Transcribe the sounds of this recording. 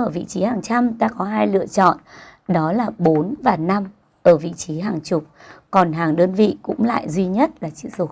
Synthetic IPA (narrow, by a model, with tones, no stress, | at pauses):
əː˧˩vḭ˧˨t͡ɕi˨˦haː˨˩ŋt͡ɕa˧mt̪aː˧kɔ˨˦ɦaː˧jlɨ̰˧˨ət͡ɕɔ̰˧˨nɗɔ˨˦laː˨˩ɓo˨˦nvaː˨˩na˧m | ʔəː˧˩vḭ˧˨t͡ɕi˨˦ɦaː˨˩ŋt͡ɕʊ˨˩k͡p̚kɔ˨˩nɦaː˨˩ŋɗəː˧nvḭ˧˨kʊ̰˧˥ŋ͡mla̰ː˧˨jzwi˧ɲə˦˥t̚laː˨˩t͡ɕḭ˧˨zo˨˧˩